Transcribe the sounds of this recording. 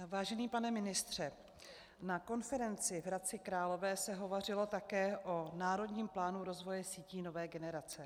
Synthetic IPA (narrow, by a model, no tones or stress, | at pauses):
vaːʒɛniːpanɛmɪnɪst̪r̝̥ɛ | nako̞nfɛɾɛnt͡sɪvɾat͡sɪkɾaːlo̞vɛːsɛɦo̞vor̝ɪlo̞t̪akɛːʔonaːɾo̞dɲiːmplaːnuɾo̞zvo̞jɛsiːciːno̞vɛːɡɛnɛɾat͡sɛ